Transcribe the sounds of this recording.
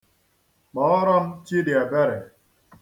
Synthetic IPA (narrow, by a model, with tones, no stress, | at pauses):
mɔ˨˦ɾɔ˦mt͡ʃi˦dɪ˨a˨bɛ˦ɾɛ˨